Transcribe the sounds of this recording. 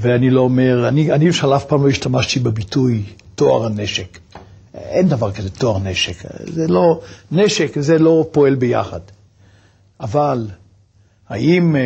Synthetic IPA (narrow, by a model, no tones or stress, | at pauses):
veanilo̞ːme̞ʁanianiɛfʃaʁlafpaːmlo̞iʃt̪amaʃt̪ibebitujt̪oa̰ʁaneʃek | end̪avaʁkazet̪o̞aʁneʃekzelo̞neʃekzelo̞po̞e̞lbeja̰χa̰d̪ | ʔaval | haʔim